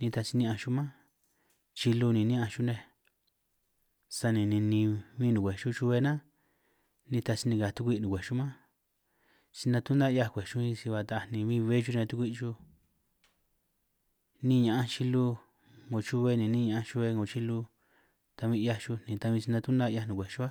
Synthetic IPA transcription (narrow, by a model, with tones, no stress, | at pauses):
nĩ˧t̪a˧si˧nĩ˧ã˧ʃu˧mã˦ | t͡ʃi˧lu˧nĩ˨nĩ˦ã˧ʃu˦˧nẽ˧ | sa˧nĩ˧nĩ˧nĩ˧βĩː˦˧nũ˨kʷe˨ʃu˦t͡ʃu˧βe˧nã˦ | nĩ˧t̪a˧si˧nĩ˧a˨t̪u˧kʷi˦˧nũ˨kʷe˨ʃu˦mã˦ | si˧nã˧t̪u˦nd̪a˦˧ja˧kʷe˨ʃu˦ĩ˧si˧βa˧t̪a˧nĩ˧βĩ˦˧βe˦ʒu˧ni˧nã˧t̪u˦kʷi˦˧t͡ʃu˦ | nĩ˦˧ɲã˨ʔã˦t͡ʃi˧lu˧ | ŋɡo˨t͡ʃu˦βe˧nĩ˧nĩ˦ɲã˨ʔã˧t͡ʃu˧βe˧ŋɡo˨t͡ʃi˧lu˧ | t̪a˧βĩ˧ja˧t͡ʃu˧n̥ĩ˨t̪a˧βĩ˧si˧nã˧t̪u˦nd̪a˦˧ja˧nũ˨e˨ʃu˦a˦